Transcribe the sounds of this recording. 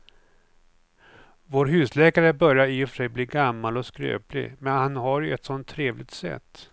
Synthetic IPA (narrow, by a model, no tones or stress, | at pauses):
voːɾɦʉ̟ːslɛːkaɾəbœɾjaɾiːɔfʂɛjbliːɡamːalɔskɾø̰ːplɪ̰mɛnhanɦaɾjɵɛt̪sɔnt̪ʰːɾeːvlɪɡ̚t̪sɛ̰t̪ː